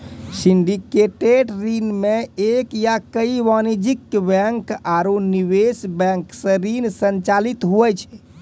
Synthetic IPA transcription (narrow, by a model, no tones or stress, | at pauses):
siɳɖikeʈeɖɾinmeekjakəiʋanid͡ʒikːbɛ̃ŋkaɾuniβesbɛ̃ŋksə̃ɾinsənt͡ʃalit̪ɦuɛt͡ʃʰɛ̥